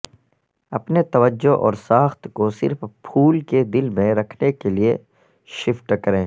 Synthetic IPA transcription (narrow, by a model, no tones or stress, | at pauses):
ɐpnet̪ɐʋəd͡ʒːoʔɔ̰ːɾsaːxt̪kosɪ̰ɾfpʰuːlked̪ɪlmẽɾɐkʰnekelie | ʃɪfʈkɐɾẽː